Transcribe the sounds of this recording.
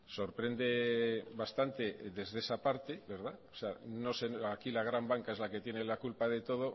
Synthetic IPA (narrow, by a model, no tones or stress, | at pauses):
so̞ɾpɾe̞nd̪e̞βast̪ant̪e̞ðe̞zðe̞sapaɾt̪eβe̞ɾð̞aoseano̞senakilaɣ̞ɾambaŋkaezlake̞t̪je̞nelakulpaðe̞t̪o̞ð̞o̞